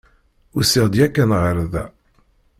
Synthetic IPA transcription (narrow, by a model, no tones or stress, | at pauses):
ʊɾsiʁd̪jækːænʁəɾðæ̰